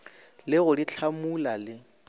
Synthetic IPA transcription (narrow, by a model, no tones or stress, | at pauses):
lɪɣʊdit͡ɬʰamulalɪ